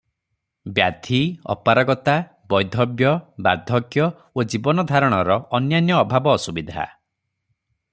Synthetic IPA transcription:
bjad̪ʱiɔ̰paɾɔɡɔt̪a | bɔjd̪ʱɔbjɔba̰d̪ʱɔkjɔ | od͡ʒibɔnɔd̪ʱaɾɔɽ̃ɔɾɔːnjanjɔːbʱabɔːsubid̪ʱa̰

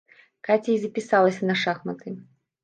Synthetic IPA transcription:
kat͡sʲiizɐpʲisalˠɐsʲɐnɐʂaxmɐt̪ɨ

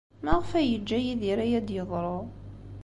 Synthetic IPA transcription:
mæʁfæjəd͡ʒːæjiðiɾæjæd̪jəðˤɾˤo

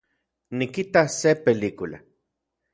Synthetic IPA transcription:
nikit̪asepeliːkula̰

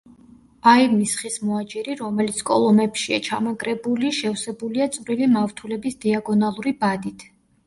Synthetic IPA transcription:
aimisχismɔat͡ʃʼiɾiɾɔmɛlit̪sʰkʼɔ̰lˠɔmɛpʃia̰t͡ʃʰamakʼɾɛbuliʃɛfsɛbuliat̪sʼvɾilimaft̪ʰulɛbisd̪̥iaɡɔnalˠuɾibad̪it̪ʰ

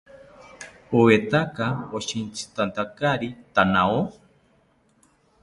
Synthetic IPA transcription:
owet̪akaoʃint͡sʰi̥t̪ant̪akaɾit̪anao

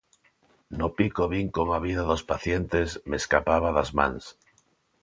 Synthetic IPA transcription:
nopikoβiŋkoŋaβiðaðospaθjent̪esmeskapaβaðazmã̰ŋs

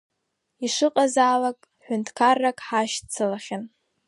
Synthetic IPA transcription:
iʂɨqʼazaːlakʼ | ħʷᶣʊntʰkʰarːakʼħaʃtt͡sʰalaχʲan

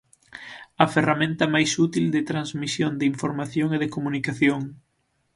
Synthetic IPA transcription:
ɐferamẽnt̪ɐmajsut̪ild̪ɪt̪ɾanzmisjond̪iɱfoɾmaθjoŋeðekomũnikaθjoŋ

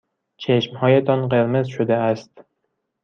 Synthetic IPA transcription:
t͡ʃʰeʃmhɒjat̪ʰɒnqeɾmɪzʃʊd̪aast̪

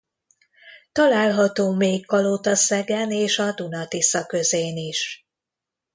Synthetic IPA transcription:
t̪ɒlaːlɦɒt̪oːmeːkːɒlot̪ɒsɛɡɛneːʃɒd̪unɒt̪isɒkø̞zeːniʃ

